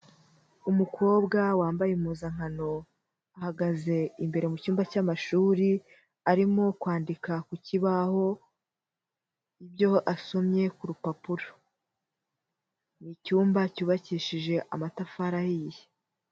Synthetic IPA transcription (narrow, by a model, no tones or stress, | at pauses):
umukʰo̞ːbɡawaːmbajemuːzaŋ̥ano̞ | ahaɡaze̞imbe̞ɾe̞mucuːmbacamaʃuːɾi | aɾimo̞kwaːndikakuciβaho̞ | ibjo̞ʔaso̞mɲe̞kuɾupapuɾo | nicuːmbacuːβaciːʃiʒe̞ʔamatafaɾahije